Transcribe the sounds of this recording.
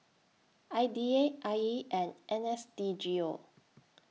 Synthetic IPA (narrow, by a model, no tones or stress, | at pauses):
ajdieʔajiʔɛ̃nʔɛ̃nɛstid͡ʒio